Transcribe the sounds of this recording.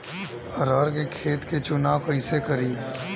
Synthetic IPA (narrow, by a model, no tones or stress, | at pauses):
ɐɾaːɾkekʰeːt̪ket͡ʃʊnaːwkɐɪsekɐɾiː